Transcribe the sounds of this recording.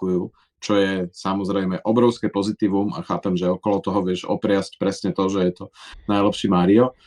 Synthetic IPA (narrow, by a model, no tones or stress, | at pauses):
ujuː | t͡ʃɔjɛsamɔzɾɛjmɛʔɔbɾɔʊskɛpɔzit̪iːʋuma̰xaːpɛmʒɛɔkɔlɔt̪ɔɦɔʋɪɛʃɔ̰pɾɪascpɾɛsɲɛt̪ɔʒɛjɛt̪ɔnajlɛpʃiːmaːɾiɔ